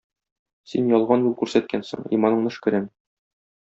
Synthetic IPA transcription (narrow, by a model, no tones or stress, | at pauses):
sinjɒlˠʁɑnjulˠkʉɾsæt̪̚kænsɤ̰ɴḭmɑnɤ̆ɴnɤʃkɘ̆ɾæm